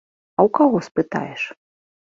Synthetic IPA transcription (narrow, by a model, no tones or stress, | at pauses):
ɐwkaɣɔspɨt̪a̰jɛʂ